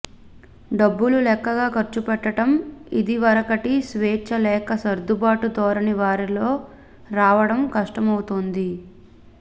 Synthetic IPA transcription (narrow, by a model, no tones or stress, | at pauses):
ɖɐbːululɛːkːɐɡaːkɐɾt͡ʃupɛʈːɐʈɐmid̪iʋɐɾɐkɐʈisʋeːt͡ʃːɐlɛːkɐsɐɾd̪ubaːʈud̪ɔːɾɐniʋaːɾiloː | ɾaːʋɐɽɐmkɐʂʈɐmɐwut̪ond̪i